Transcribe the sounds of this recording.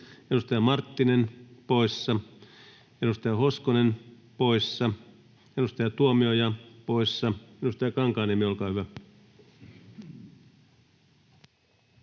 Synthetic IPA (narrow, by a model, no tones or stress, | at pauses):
enust̪ɑjɑmɑrt̪ːinenpoisːɑ | enust̪ɑjɑhoskonen | poisːɑ | edust̪ɑjɑt̪uomiojɑpoisːɑmenust̪ɑjɑkɑŋkɑːnemieolkɑːhyʋæ